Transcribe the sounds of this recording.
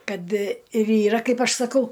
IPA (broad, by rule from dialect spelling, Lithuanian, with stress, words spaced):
ˈkɐt ɪr iːˈrɐ ˈkɐɪp ˈɐʃ sɐˈkɐʊ